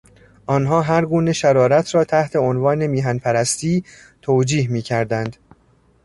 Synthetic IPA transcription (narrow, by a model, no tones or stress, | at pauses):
ʔɒːnɦɒːɦæɾɡuːne̞ʃæɾɒːɾæt̪ʰɾɒːt̪ʰæht̪ʰe̞onvɒːne̞miːɦænpʰæɾæst̪iː | t̪ʰoːd͡ʒiːhmiːcʰæɾd̪ænd̪